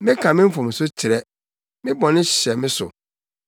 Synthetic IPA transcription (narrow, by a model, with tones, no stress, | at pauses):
mɪ̃˦kʰã˨mɪ̃˦m̩˦fʊ̃˨m̩˨sʊ˦t͡ɕʰɪ˨ɾɛ˦ | mɪ̃˦bɔ̃˨nɪ̃˦ɕɕɛ˨mɪ̃˦sʊ̰˨